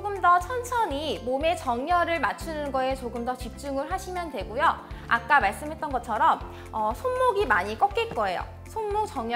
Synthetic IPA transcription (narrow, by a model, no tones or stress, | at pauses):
oɡɯmdʌt͡ɕʰʌnt͡ɕʰʌɲimome̞t͡ɕʌŋɲʌɾɯɭmat͡ɕʰunɯnɡʌe̞t͡ɕoɡɯmdʌt͡ɕip̚t͡ɕ͈uŋɯɭɦaɕʰimjʌndwe̞ɡujoa̰k̚k͈amaɭs͈ɯmɦe̞t̚t͈ʌnɡʌt͡ɕʰʌɾʌm | ʌsʰonmoɡimaɲik͈ʌk̚k͈ek͈ʌe̞jo̰ | sʰonmok̚t͡ɕʌŋɲ